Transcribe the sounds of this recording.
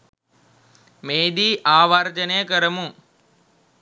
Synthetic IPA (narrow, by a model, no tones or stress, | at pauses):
meːd̪iːʔaːʋaɾd͡ʒɐnejəkəɾəmu